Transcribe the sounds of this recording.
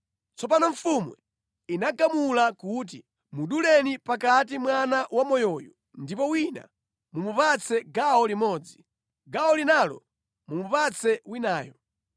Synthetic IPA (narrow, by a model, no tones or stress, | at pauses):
t͡sɔp̬anɔɱ̩fumṵ | inaɡamulakuːt̬i | muɗulɛnipakat̬imwanawamɔjɔjɔ | ndipɔwina̰ | mumupat͡sʰɛɡaɔlimɔːd͡zi | ɡaɔlinalɔ̰ | mumupat͡sʰɛwinaːjɔ